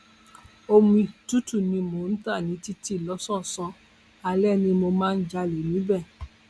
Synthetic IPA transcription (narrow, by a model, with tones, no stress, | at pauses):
o˧mĩ˧tu˦tu˦˨nĩ˧mo˨˦n̩˦ta˦˨nĩ˨˦ti˦ti˦˨lɔ˨˦sɔ̃˦˨sɔ̃˧ | a˧lɛ˦˨nĩ˧mo˧mãː˦˧n̩˦d͡ʒa˧le˨mĩ˨˦bɛ˦˨